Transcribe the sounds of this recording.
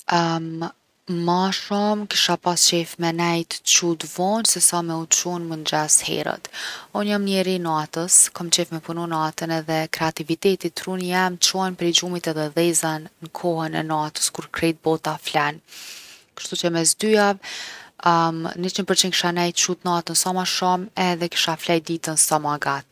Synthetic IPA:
m | maʃɔmkiʃapast͡ʃɛfmɛnɛjt̪t͡ʃut̪vɔnsɛsamɛut͡ʃunmənd̪ɾashɛ̰ɾə̰t̪ɔnjamnɛɾinat̪əskɔmt͡ɕɛfmɛpununat̪ənɛðɛkɾɛat̪ivit̪ɛt̪it̪ːɾunjɛmt͡ʃɔnpɾɛd͡ʒumit̪ɛðɛðɛzanːəkʰɔhənɛ̰nat̪ə̥skuɾkɾɛt̪̚bɔt̪aflan | kə̥ʃt̪ut͡ʃəmɛsd̪yav | nit͡ʃəpəɾt͡ʃinŋki̥ʃanɛjt̪t͡ʃut̪nat̪ənsamaʃɔmɛðɛki̥ʃaflajd̪it̪ənsamaɡat̪̚

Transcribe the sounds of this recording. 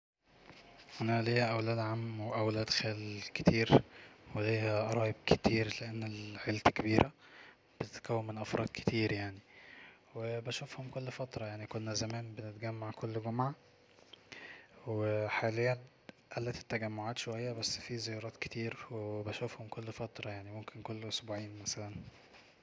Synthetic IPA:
ʔænælejhæʔæwlæːd̪ʕamːweʔæwlæːd̪xæːlke̥t̪ʰiːɾwelejhæʔɑɾˤɑːjeb̚ket̪iːɾleʔenːelʕelt̪ækebiːɾʔæ | b̥et̪et̪ækæwːemːenʔæfɾˤɑ̰ːd̪̥ke̥t̪iːɾjaʕni | webæʃofhomkolːfæt̪ɾˤɑjaʕnikonːæzæmæːnbenet̪ɡæmːaʕkʰolːɡomʕa | weħaːlejːæn | ʔælːæt̪e̥t̪ːæɡæmːoʕaːt̪ʃowæjːæbæsːfiːzejɑːɾˤɑːt̪ke̥t̪iːɾwebæʃofhomkolːfæt̪ɾˤɑjaʕnimomkʰenkolːʔosbuːʕiːnmæsælæn

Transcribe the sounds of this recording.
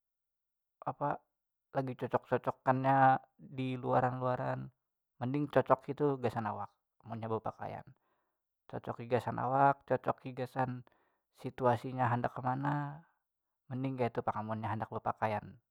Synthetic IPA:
apa | laɡit͡ʃɔt͡ʃɔk̚t͡ʃɔt͡ʃɔkːanɲadiluaɾanluaɾan | məndɪŋt͡ʃɔt͡ʃɔkit̪uɡasanawak̚ | munɲabəpaka̰ja̰n | t͡ʃɔt͡ʃɔkiɡasanʔa̰wak̚t͡ʃɔt͡ʃɔkiɡasan | sit̪uasiɲaɦandakːəmana | məndɪŋkait̪upakamunɲaɦandak̚bəpakajan

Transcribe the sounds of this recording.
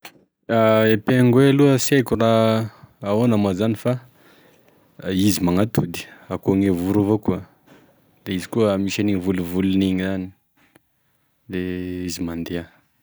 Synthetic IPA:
aepeŋɡweluəsekuraː | onamazanifa | izimaŋat̪ud̪i̥akoŋevuɾuvokua | d̪̥eizi̥kuəmisaniŋivuluvuluniŋizani̥ | leizimand̪ea

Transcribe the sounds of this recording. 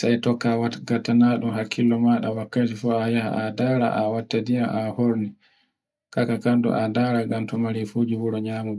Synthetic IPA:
sajtɔkːawaɡatːanaɗumɦakʰːilːɔmaɗawakːatifuajaha̰adaːɾa̰ʔawatːadijaʔahoɾni | kakakandṵʔadaɾaŋɡamtɔmaɾifud͡ʒiwuɾɔɲaːmuɡ

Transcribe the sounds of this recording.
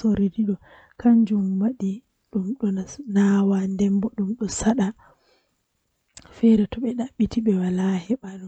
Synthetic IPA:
oɾidiɗɔ | kʰaɲd͡ʒumwaɗi | ɗumɗɔnawandɛmbɔɗumɗɔsaɗa | fɛɾɛtɔɓɛɗaɓːitiɓɛwalahɛɓal

